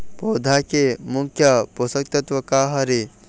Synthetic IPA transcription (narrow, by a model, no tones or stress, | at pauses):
pɔːd̪ʱakemukʰjɐpɔsɐk̚t̪ɐt̪ʋɐkaɦɐɾe